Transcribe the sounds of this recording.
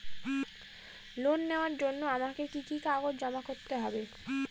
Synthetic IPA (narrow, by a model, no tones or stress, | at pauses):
lonːeoaɾd͡ʑonːoamakekikikaɡod͡ʑd͡ʑɔmakoɾt̪eɦɔbe